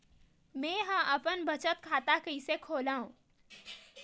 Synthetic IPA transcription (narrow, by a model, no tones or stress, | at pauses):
mɛ̃ːɦə̃ʔɐpənbət͡ʃət̪kʰaːt̪akəisekʰoːlaːũː